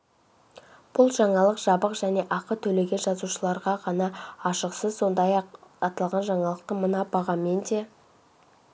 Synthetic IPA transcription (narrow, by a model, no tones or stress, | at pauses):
b̥ʊlˠʒɑɴɑlˠəqʒ̥ɑbəqʒæne̞ʔɑqət̪ʰɵle̞ɡʲe̞nʒɑzuʃəlˠɑɾʁɑʁɑnɑːʃəqsəzso̞nd̪ɑjɑqɑt̪ɑlˠʁɑnʒɑɴɑlˠəq̚t̪əmənɑbɑʁɑme̞nd̪e̞